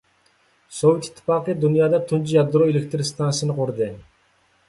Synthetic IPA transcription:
sovɪt̪i̥t̪ʰːɪ̥fɑqid̪unjɑd̪ɑt̪ʰunt͡ʃujɑd̪ɾoelʲek̚ʲt̪ɪɾst̪ansʲənqʰuɾd̪ɪ

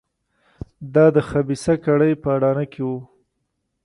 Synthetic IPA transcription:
d̪ɑd̪əxabisakaɽəjpəaɽɑnakʰewu

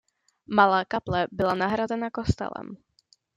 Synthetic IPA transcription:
malaːkaplɛbɪlanaɦɾazɛnakost̪ɛ̰lɛ̰m

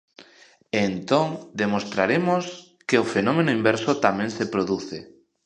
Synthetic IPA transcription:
ent̪oŋd̪emost̪ɾaɾemʊs | keʊfenɔmenʊimbɛɾsʊt̪amẽŋsepɾoðuθɪ

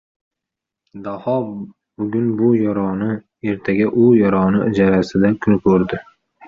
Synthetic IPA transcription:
d̪ahɒ | bʊɡʲʊnbʊjɒɾɒnɪ | e̞ɾt̪ʰaɡʲaʔʊjɒɾɒnɪɪd͡ʒaɾasɪd̪akʰʊnɪkʰɵɾd̪ɪ

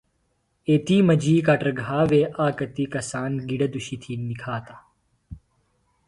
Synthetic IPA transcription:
eːt̪iːmɐd͡ʒiːkaʈɾɐɡʱaːʋeːʔaːkɐt̪ikɐsaːnɡiɽɐd̪uʃit̪ʰinikʰaːt̪aː

